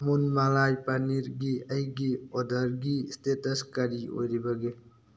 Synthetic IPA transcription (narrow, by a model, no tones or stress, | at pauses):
munmalajpɐniɾɡiəjɡiod̪əɾɡist̪et̪əskɐɾio̰ɾibɐɡe